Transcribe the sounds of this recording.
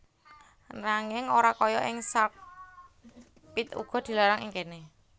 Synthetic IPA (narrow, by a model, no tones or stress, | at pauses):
naŋɪŋoɾakɔjɔʔɪŋsak̚ | pit̪ṵɡ̥ɔ̤d̪̥i̤laɾaŋiŋkene